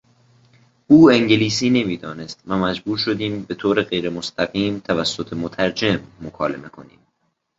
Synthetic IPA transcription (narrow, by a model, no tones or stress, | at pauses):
uːe̞ŋɟeliːsiːne̞miːd̪ɒːne̞st̪væmæd͡ʒbuːɾʃo̞d̪iːmbe̞t̪ʰoːɾeɣe̞jɾe̞most̪ʰæɣiːmt̪ʰævæsːot̪ʰemot̪ʰæɾd͡ʒe̞mːokʰɒːle̞̰me̞kʰo̞nḭːm